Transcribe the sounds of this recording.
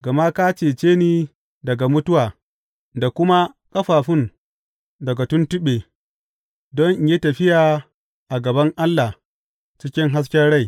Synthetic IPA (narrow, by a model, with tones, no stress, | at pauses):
ɡɐ˨ma˦ka˦t͡ʃeː˨t͡ʃeː˦niː˦ | dɐ˨ɡa˨mʊ˦tʊ˦waː˨ | da˨kʷʊ˦ma˦kʼɐ˦ɸaː˨ɸɪ˦n | dɐ˨ɡa˨tʊ˦ntɪ˦ɓeː˨ | dɔ˦ɲʔje˦tɐ˨ɸɪ˦jaː˨ | ʔa˨ɡɐ˨bɐ˦ŋʔa˦lːa˨ | t͡ʃɪ˦kʲɪ˦ŋɦa˦s̬kʲɛ˦rɽa˦˨j